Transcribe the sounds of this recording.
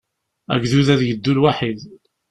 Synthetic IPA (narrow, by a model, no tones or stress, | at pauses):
æ̰ɡðuðæðjəd̪ːulwaħið